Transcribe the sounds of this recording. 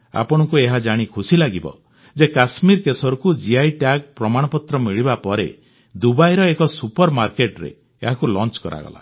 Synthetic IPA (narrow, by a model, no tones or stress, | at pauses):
a̰pɔɽ̃ɔkueɦad͡ʒaɽ̃ikʰusilaɡibɔ̰ | d͡ʒekasmiɾkesɔɾukud͡ʒiajʈaɡpɾɔmaɽ̃ɔpɔt̪ɾɔmiɭibapɔɾe | d̪ubajɾɔekɔsupɔɾmaɾkeʈɾḛː | ɦakulɔnt͡ʃkɔɾa̰ɡɔ̰la̰